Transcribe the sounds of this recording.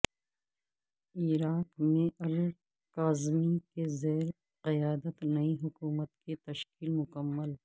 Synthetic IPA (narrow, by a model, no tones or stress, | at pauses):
iːɾaːkmẽɐl | kaːzmikezeːɾ | qɪjaːd̪ət̪nɐiɦʊkuːmət̪ket̪ɐʃkiːlmʊkəmːəl